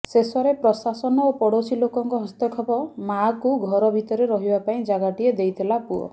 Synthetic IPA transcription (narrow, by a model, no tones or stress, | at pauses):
sesɔɾepɾɔsasɔnɔopɔɽosilokɔŋkɔɦɔst̪ɔkʰɔpɔmakuɡʱɔɾɔbʱit̪ɔɾeɾɔɦibapaĩd͡ʒaɡaʈied̪ejt̪ʰilapuɔ̰